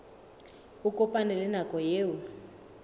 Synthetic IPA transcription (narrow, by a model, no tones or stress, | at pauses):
ukʼɔpʼanɛlɛnakʼɔjeːwu